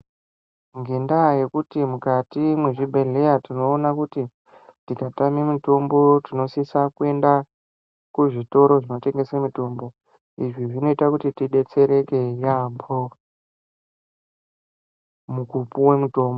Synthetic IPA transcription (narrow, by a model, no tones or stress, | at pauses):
ŋɡendaje̞kutimukatimwe̞ʐiɓʱe̞ɮe̞jatino̞ːnakuti | tikatamimito̞mbo̞tino̞sisakue̞nda | kuʐito̞ɾo̞ʐino̞t͡ʃe̞ŋɡe̞semito̞ːmbo̞ | iʐiʐino̞itakutitiɗe̞t͡se̞ɾe̞ke̞jambo | mukupuwe̞muto̞ːmbo